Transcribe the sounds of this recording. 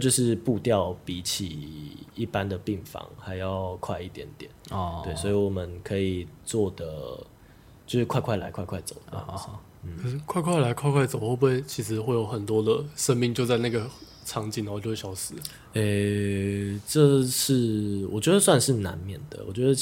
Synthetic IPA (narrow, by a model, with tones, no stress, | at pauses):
t͡ɕjo˥˧ʊʂɻ̩˥˧pu˥˧t̪jɑ˥˨˩ʊpi˧˥t͡ɕʰi˨˩i˥˩pa˦nd̪ə˨pi˥˩ŋfɑ̰˧˥ŋxa˧˥ɪjɑ˥˨ʊkʰwa˥˧ɪi˥˩t̪jɛ̰˧˥nt̪jɛ̰˨˩˦nwe˥˩ɪswɔ˧˥i˨wɔ˨˩mə˨˦nkʰɤ˧˥i˨˩t͡swɔ˥˩d̪ə˩ | t͡ɕjo˥˧ʊʂɻ̩˥kʰwa˥˧ɪkʰwa˥˩ɪla̰˧ɪkʰwɪkʰwa˥˩ɪt͡so̰˨˩ʊə˦˥ɑ̰˥˩ | n̩˥˩kʰə˨˩ʂɻ̩˥˩kʰwa˥˧ɪkʰwa˥˩ɪla˧˥ɪkʰwa˥˧ɪkʰwa˥˩t͡so˨˩ʊxo˥˧bu˥we˥˩ɪt͡ɕʰi˧˥ʂɻ̩˧˥xwe˥˩ɪjo˧˩ʊxə˨˩nt̪wɔ˥d̪ə˨ʂə˦˥nmi˥˧ŋt͡ɕjo˥˧ʊt͡sa˥˧ɪna˥˩ɡə˩ | ʈ͡ʂʰɑ˧˥ŋt͡ɕi˨˩na˨˧˥jo˥˧we˥˩ɕjɑ˨˥˩ʊsɹ̩˨˦ | e˥˩ | ʈ͡ʂə˥˧ʂɻ̩˥˩˧wʔɔ̰˨˩t͡ɕɥɛ˧˥d̪ə˧˦swa˥˧nʂɻ̩˥˩na̰˧˦nmjɛ˨˩nd̪ə̰˩wɔ̰˨˩t͡ɕɥɛ˧˦d̪ə˧